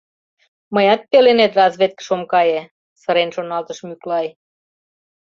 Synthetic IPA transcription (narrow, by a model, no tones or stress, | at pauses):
məjɑt̪̚pelenet̪rɑzβet̪̚kə̥ʃomkɑje | sɤɾenʃonɑlt̪əʃmyklɑj